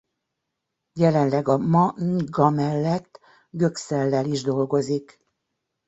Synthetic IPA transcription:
jɛlɛnlɛɡɒmɒŋɡɒmɛlːɛt̪ː | ɡøksɛlːɛliʒd̪o̞lɡo̞zik

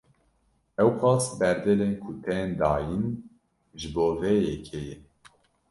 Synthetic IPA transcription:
ɛwxʷɑːsbɛɾd̪ɛleːnkʰut̪ʰɛnd̪ɑːjin | ʒɨboːvejɛkʰejɛ

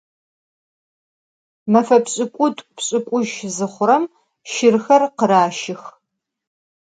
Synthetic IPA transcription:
mɐfɐpɕʼɪkʷʼʊtʼpɕʼɪkʷʼʊʒzɨχʷʊɾɐm | ʃɪrxɐrqəɾaːʃɪx

